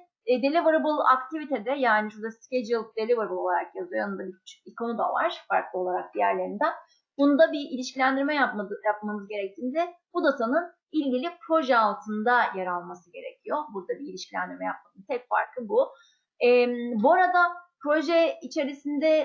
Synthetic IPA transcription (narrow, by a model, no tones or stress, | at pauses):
d̪e̞lʲibɯɾɯbɯlˠa̰kt̪ʰivit̪ʰɛd̪ɛjaːniʃuɾd̪asced͡ʒɯlˠpd̪e̞lʲibaɾbɯlˠo̞lˠaɾakjazɯjoanɯnd̪abit͡ʃʰikʰonud̪a̰va̰ɾ̥fa̰ɾklˠɯo̞lˠaɾak̚b̪ijæɾlʲe̞ɾind̪æ | bunud̪abiʔilʲiʃcʲilʲænd̪iɾmɛjapajap̚mamɯzɟe̞ɾɛc̚t̪ʰiːnd̪ɛbud̪at̪ʰanɯn | ilʲɟilʲipʰɾo̞ʒɛalˠt̪ʰɯnd̪ajaɾalˠmasɯɟe̞ɾecʰijobuɾd̪abiːlʲiʃcʲilʲæ̰nd̪iɾmɛjap̚mad̪ɯnt̪ʰɛcfa̰ɾkʰlˠɯbu | ɛːmbuaɾad̪apɾo̞ʒɛit͡ʃʰe̞ɾisind̪ɛ